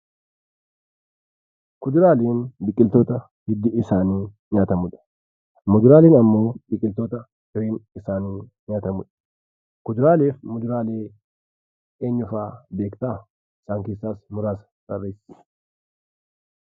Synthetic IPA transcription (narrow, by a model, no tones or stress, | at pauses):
kʊd͡ʒ̪ɪɾaːleːnbɪkʼːɪlt̪oːt̪ɐ | hɪd̪ːɪɪsaːniː | ɲaːt̪ɐmʊᶑ̪ɐ̥ | mʊd͡ʒɪɾaːleːnɐmːo̞ːbɪkʼːɪlt̪o̞ːt̪ɐ | fɪɾeːnɪsaːniː | ɲaːt̪ɐmʊᶑɐ̥ | kʊd͡ʒ̪ɪɾaːleːfmʊd͡ʒ̪ɪɾaːle̞ː | eːɲːʊfaːbeːkt̪aː | ɪsaːŋkeːsːaːsmʊɾaːs | b̥ɐrːeːsɪ̥